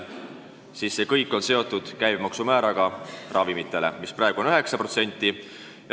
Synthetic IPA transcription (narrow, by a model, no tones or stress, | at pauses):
siːsːe̞kɤjkːˑo̞nse̞o̞t̪ːˑud̪̥kæjbmɑksumæːɾɑɡ̥ɑrʔɑvimit̪ːˑe̞lḛmisprɑeɡ̥u̞nyɦe̞ksɑpro̞t̪se̞nʲt̪ːˑi | jɑ